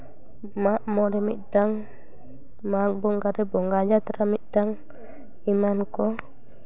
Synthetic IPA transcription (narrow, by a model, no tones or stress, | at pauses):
maʔmɔdɛmiʔdaŋ | mak̚bɔŋɡadɛbɔŋɡad͡ʒat̪ɾamit̚daŋ | imankɔ